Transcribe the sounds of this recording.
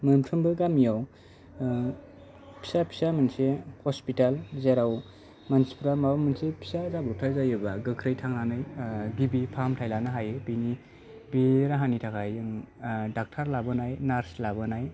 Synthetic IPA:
mɯmtʰɯmbɯɡamijaw | pʰi̥sapʰi̥samɯnsehɔspitalzeɾaw | mansi̥pɾamabamɯnsepʰi̥sazabuwtʰazajɯbaɡɯkʰɾɯjtʰaŋnanɯjɡibipʰamtʰajlanɯɦajebini | biɾaɦanitʰakʰajɯŋdak̚tʰaɾlabɯnajnaɾslabɯnaj

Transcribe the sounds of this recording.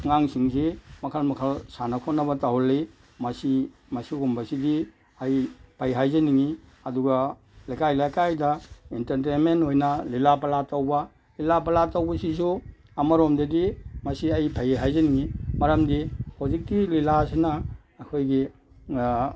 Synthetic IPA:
ŋaŋsiŋsimɐkʰalmakʰalsanakʰonːɐβɐtaɦɔlːi | mɐsi | mɐsiɡumbɐsidi | ajpʰajɦajzaniŋiɐduɡa | lajkajlajkajdɐintɐɾtenmentojnɐlilapalatːawba | lilapɐlatːawbɐsis̬u | amaɾomdedimɐsiajpʰajɦajzaniŋimɐɾɐmdihozik̚dililasinaː | kʰojɡi

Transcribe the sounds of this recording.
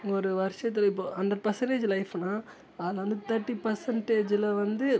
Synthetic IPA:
ŋɡɐɔɾɯʋɐɾʂɐt̪ːɪlɐɪp̬ːoɐnɖɐɾpɐsɛɳʈeːd͡ʒlɐɪfnaː | aːðlɐʋɐnd̪ɯt̪ɐɾʈːipɐɾsɐɳʈeːd͡ʒɪlɐʋɐnd̪ɯ

